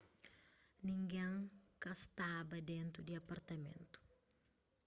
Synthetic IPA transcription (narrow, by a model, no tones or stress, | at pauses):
nĩŋɡẽŋkɐst̪abɐd̪ẽnt̪ɾud̪iɐpɐɾt̪ɐmḛ̃nt̪u̥